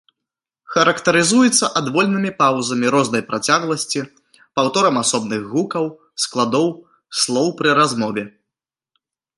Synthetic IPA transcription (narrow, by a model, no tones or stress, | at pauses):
xɐɾɐkt̪ɐɾɨzujɛt̪sːɐʔad̪vɔlʲnɨmʲipawzɐmʲiɾɔznɐjpɾʔat͡sʲaɣlˠɐsʲt͡sʲi | pawt̪ɔɾɐmasɔbnɨɣɣukɐw | sklˠad̪ɔw | slˠɔwpɾɨɾazmɔvʲɛ